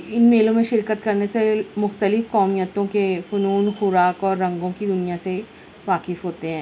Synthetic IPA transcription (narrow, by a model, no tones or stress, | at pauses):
ɪnmeːlõmẽʃɪɾkət̪kɐɾnesemʊxt̪əlɪfkɔːmijət̪õkefʊnuːnxʊɾaːkɔːɾːɐ̃ŋɡõkid̪ʊnijase | ʋaːkɪfɦoːt̪eɦɛ̃ː